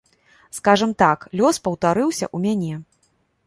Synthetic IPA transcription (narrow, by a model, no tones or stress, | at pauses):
skaʐɐmt̪aklʲɔspɐwt̪aɾɨwsʲɐ̰ʔumʲanʲɛ